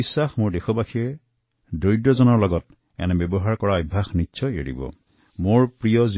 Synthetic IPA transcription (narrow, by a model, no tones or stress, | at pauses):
isːaxmoɹdexɔbaxʰiɛ | dojdɔzɔnɔɹlɔɡɔt̚ | ɛ̰nɛbɛbɔɦaɹkɔɹaɔjbʱaxnitːsʰɔḛɹḭbɔ̰ | moɹpɹijɔz